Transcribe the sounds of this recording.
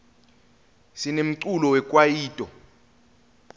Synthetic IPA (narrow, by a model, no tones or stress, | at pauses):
sinem̩ǀulɔwɛkʼwajiːtʼɔ